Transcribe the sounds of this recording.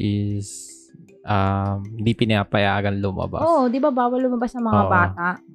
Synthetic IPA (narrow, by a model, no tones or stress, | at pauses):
ʔɪs | ʔamd̪ipɪnapɐjaɡɐnlʊmɐ̰ba̰ʔod̪ɪbabawɐlʊmɐbasnɐŋmɐŋabaːt̪aʔ